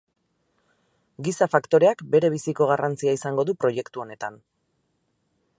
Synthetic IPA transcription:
ɡisafakt̪o̞ɾe̞akbe̞ɾe̞β̞isiko̞ɣ̞arant͡siaisaŋɡo̞ðupɾo̞je̞kt̪uo̞ne̞t̪an

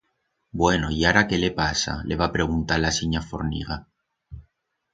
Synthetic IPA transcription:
bwe̞noiaɾakelepasa̰lʔe̞βapɾe̞ɣ̞unt̪alasiɲafo̞ɾnḭɣa

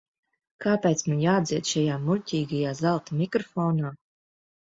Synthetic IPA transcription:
kaːpʲɛjt̪smanjaːd̪ziɛt̪ʃajaːmuʎʲcʲiːɡajaːzalˠt̪amʲikɾɔfɔːnaː

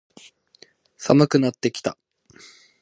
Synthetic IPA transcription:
samɯ̟kɯ̟nat̪ːe̞kʲi̥t̪a

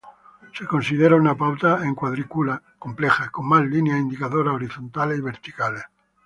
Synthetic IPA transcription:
sekonsið̞eɾaunapawt̪aeŋkwaðɾikula | komplexakomːalːinjaind̪ikaðoɾaoɾiθont̪aleiβeɾt̪i̥kale

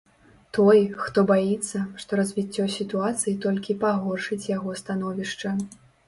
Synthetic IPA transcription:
t̪ɔjxt̪ɔbajit̪sːɐʂt̪ɔɾɐzʲvʲit͡sʲːɔsʲit̪uat̪sɨjit̪ɔlʲkʲipaɣɔrʂɨt͡sʲjaɣɔst̪anɔvʲiʂt͡ʂɐ

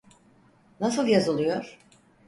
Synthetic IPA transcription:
nasɯlˠjazɯlˠujoɾ̥

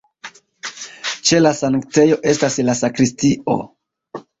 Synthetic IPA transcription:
t͡ʃe̞lasaŋkt͡se̞jo̞ʔe̞staslasakɾistio̞̰

